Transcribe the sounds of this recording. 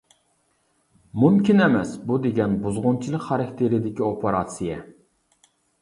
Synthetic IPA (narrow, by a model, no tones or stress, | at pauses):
mumkʲʰinɛmɛsbud̪eɡʲɛnbuzʁʊnt͡ʃʰilˠəqχɑɾɑkʲt̪ʰeɾɪd̪ɪkʲiopʰeɾɑt̪sijɛ